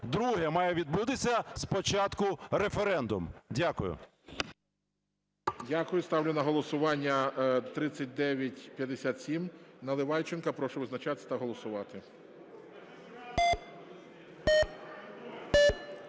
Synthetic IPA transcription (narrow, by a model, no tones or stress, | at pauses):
d̪ɾuɦɛmɑjɛʋʲid̪̚but̪ɪsʲɐspɔt͡ʃɑt̪kʊɾefeɾɛnd̪ʊ̰mdʲakʊjʊ̰ | dʲakʊjʊst̪ɑwlʲɪnɐɦɔlˠɔsʊʋɑnʲːɐt̪ɾɪt͡ssʲɐt̚ʲd̪ɛʋʲjɐtʲpʲjɐd̪esʲat̪sʲimnɐlˠɪʋɑjt͡ʃɪnkɐpɾɔʃʊʋɪznɐt͡ʃɑt̪ɪ̥t̪ɐɦɔlˠɔsʊʋɑt̪ɪ